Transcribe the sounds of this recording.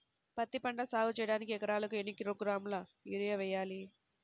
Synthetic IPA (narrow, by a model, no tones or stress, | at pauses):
pɐt̪ːipɐɳɖɐsaːɡut͡ʃɛjɐɽaːnikiɛkɐɾaːlɐkuenːikiɾoːɡɾaːmulɐiːɾijɐʋɛjaːli